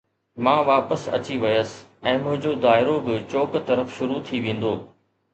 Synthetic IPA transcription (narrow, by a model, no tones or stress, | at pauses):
mãːʋaːpəsɐ̰t͡ɕiʋɐjəsɪ̥ | ɛ̃ːmʊ̃ɦɪ̃ɲd͡ʑod̪aːɪɾobɪt͡ɕoːkt̪ɐɾəfʃʊɾut̪ʰiʋẽːn̆d̪oː